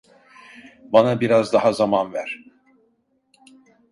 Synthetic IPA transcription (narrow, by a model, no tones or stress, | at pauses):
banabiɾazd̪aɦazamanvæɾ̥